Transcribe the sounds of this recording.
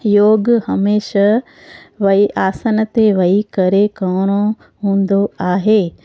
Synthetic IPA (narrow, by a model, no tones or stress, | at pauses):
joːɡhɐmeːʃa | ʋɐiʔaːsənət̪eʋɐikɐɾekɐːɽ̃o | ɦũːnd̪oaːɦeː